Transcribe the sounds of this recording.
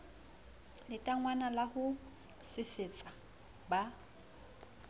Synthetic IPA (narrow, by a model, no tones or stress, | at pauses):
lɪtʼaŋwanalahʊ | sɪsɪt͡sʼa | ba